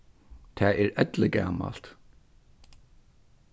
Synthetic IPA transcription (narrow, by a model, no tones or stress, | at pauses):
t̪ʰɛːɛɾɛt̪lɪkæ̰ːma̰l̥t̪